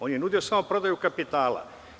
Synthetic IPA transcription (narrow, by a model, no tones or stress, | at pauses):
o̞ːnjenud̪io̞saːmopɾo̞d̪ajukapit̪aːla̰